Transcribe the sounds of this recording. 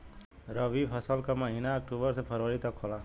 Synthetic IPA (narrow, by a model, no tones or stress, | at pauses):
ɾəʋipʰəsəlkaməɦinaːkʈubəɾsepʰəɾəɾit̪əkʰola